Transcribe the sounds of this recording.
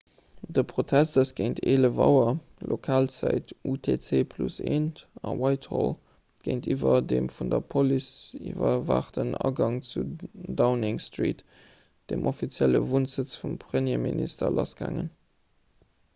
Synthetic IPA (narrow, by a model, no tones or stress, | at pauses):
dəpʁotʰæstəsɡ̥əɪntʰeːləvɑʊɐ | lokʰaːlt͡sæɪtutʰet͡seːpʰluseːntɑwɑɪthol | ɡ̥əɪntʰivɐdeːmfundɐpʰolisivɐva̰ːχtənɑɡɑŋt͡sudaʊnɪŋstʁḭːt | d̥emʔofit͡sjæləvunz̥ət͡sfumpʰʀəmjeːministɐlʔɑsɡ̥a̰ːŋən